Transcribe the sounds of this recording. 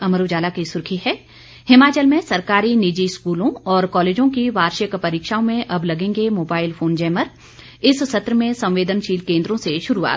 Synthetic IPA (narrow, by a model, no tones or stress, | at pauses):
ɐmɾoːd͡ʒaːlakisʊɾkʰiɦɛː | hɪmaːt͡ʃəlmẽsɐɾkaːɾinid͡ʒiskuːlõɔːɾkɔːleːd͡ʒõkiʋaːɾʃjəkpɐɾiːkʃaːõmẽʔɐblɐɡẽːŋɡemoːbaːɪlpfʰoːnd͡ʒɛːməɾ | ɪssɐt̪ɾəmẽsɐ̃mʋeːd̪ənʃiːlkẽːnd̪ɾõseʃʊɾua̰ːt̪